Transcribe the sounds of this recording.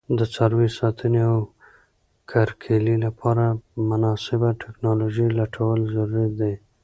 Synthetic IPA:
d̪ət͡sɑɾwisɑt̪ʰəneaw | kʰaɾkʰelilapʰɑɾamʊnɑsɪbaʈʰeknɑloʒilaʈʰawəlzaɾuɾat̪̚d̪e

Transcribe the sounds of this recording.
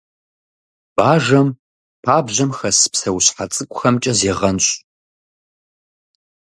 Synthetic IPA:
b̥aːʒɐm | pʰaːbʑɐmxɐspsɐwɕħat͡sʼɨkʷʼʊxɐmt͡ʃʼɐzeːʁɐnɕʼ

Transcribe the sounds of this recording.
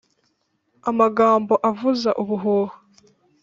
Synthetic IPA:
amaɡaːmbo̞ʔavuzaʔuβuɦoːho̥

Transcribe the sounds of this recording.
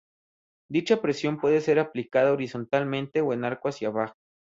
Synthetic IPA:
d̪it͡ʃapɾe̞sjo̞mpwe̞ðe̞se̞ɾaplikaðaoɾiso̞nt̪almẽnt̪e̞oe̞naɾkwasjaβaxo̥

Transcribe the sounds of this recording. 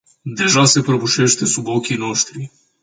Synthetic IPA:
d̪e̞ʒase̞pɾəbuʃe̞ʃt̪e̞subo̞kʲino̞ʃt̪ɾi

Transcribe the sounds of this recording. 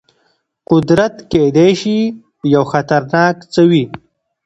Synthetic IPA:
qʊd̪ɾat̪ked̪eʃi | jawxat̪aɾnɑːkt͡səwi

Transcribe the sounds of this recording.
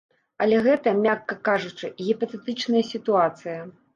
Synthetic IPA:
ɐlʲɛɣɛt̪ɐmʲakːɐkaʐut͡ʂɨɣʲɛpɐt̪ɛt̪ɨt͡ʂnɐjɐsʲit̪uat̪sɨjɐ

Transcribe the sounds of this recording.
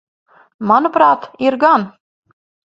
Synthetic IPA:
manupɾɑːt̪iɾɡan

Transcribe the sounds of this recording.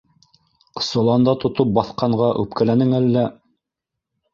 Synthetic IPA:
sŏlˠɑnd̪ɑt̪ŏt̪ɤp̚bɑθqɑɴɢɑʔʉ̰p̚kælænɘŋælːæ

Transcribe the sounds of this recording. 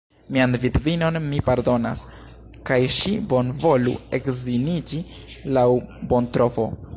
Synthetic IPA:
mianvitvino̞nmipaɾdo̞na̰s | kajʃibo̞nvo̞lṵe̞kzinid͡ʒi | lawbo̞ntɾo̞fo̞̰

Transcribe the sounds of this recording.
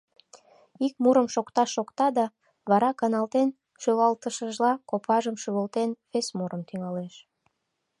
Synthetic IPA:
ik̚muɾəmʃokt̪ɑʃːokt̪ɑd̪ɑ | βɑɾɑkɑnɑlt̪en | ʃølɑlt̪əʃəʒlɑkopɑʒəmʃyβəlt̪enfesmuɾəmt̪yŋɑleʃ

